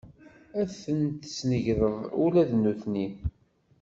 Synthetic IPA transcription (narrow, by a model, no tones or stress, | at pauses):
æθənt̪snəʝðəðˤṵlæðnːuθnin